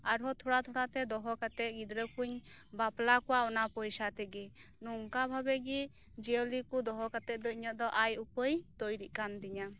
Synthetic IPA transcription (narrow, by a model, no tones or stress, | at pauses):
aɾɦɔt̪ʰɔɽat̪ʰɔɽat̪ɛd̪ɔɦɔkat̪ɛt̪̚ɡid̪ɾəkʰuɲbaplakɔwaɔnapɔjsat̪ɛɡɛnɔŋkabʱabɛɡi | d͡ʒɛɔlikud̪ɔɦɔkat̪ɛt̪̚d̪ɔɲɔʔ̚d̪ɔʔajupəjt̪ojɾiʔ̚kand̪iɲa